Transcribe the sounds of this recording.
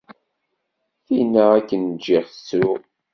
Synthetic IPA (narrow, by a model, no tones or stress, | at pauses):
θinːaækːənd͡ʒːiʁθə̥t͡sːɾu